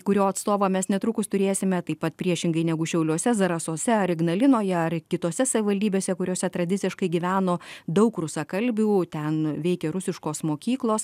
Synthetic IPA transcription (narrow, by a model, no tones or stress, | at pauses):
kʊɾʲoːɐt̪st̪oːʋoːmʲɛsnʲɛt̪ɾʊkʊst̪ʊɾʲeːsʲɪmʲɛt̪ɐɪpɐt̪̚pʲɾʲiɛʃʲɪŋɡɐɪnʲɛɡʊʃʲɛʊlʲuoɔsʲɛzɐɾɐsoːsʲɛɐɾɪɡnɐlʲɪnoːjɛɐrkʲɪt̪oːsʲɛsɐʋʲɪʋɐlʲd̪ʲiːbʲeːsʲɛkʊɾʲoːsʲɛt̪ɾɐd̪ʲɪtt͡s̪ʲɪʃkɐɪɡʲiʋʲæːnoːd̪ɐʊkrʊsɑkɐlʲbʲuːt̪ʲɛnʋʲɛɪkʲɛɾʊsʲɪʃkoːsmoːkʲiːklˠoːs